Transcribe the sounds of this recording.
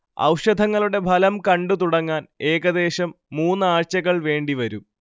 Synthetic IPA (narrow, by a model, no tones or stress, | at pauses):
ɐ̰wʂɐd̪ʱɐŋːɐɭuɽe̞bʱɐlɐmkɐɳɖut̪uɽɐŋːaːne̞ːɣɐd̪e̞ːɕɐmːuːnːɨaːɻt͡ɕɐɣɐɭʋe̞ːɳɖiʋɐɾum